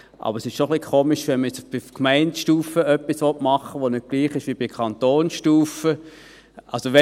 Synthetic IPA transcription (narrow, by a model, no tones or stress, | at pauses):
ʔɑ̰b̥əɾsɪʃʃoχlikʰoːmɪʃʋɛnməjɛt͡sb̥ɪkmæɪntʃtuːfəœpːisʋɔtmɑχːəʋonʏt̚ɡ̥liːχɪʃʋib̥ɪkʰɑntoːnʃtuːfə | ʔɑ̰lsoʋɛ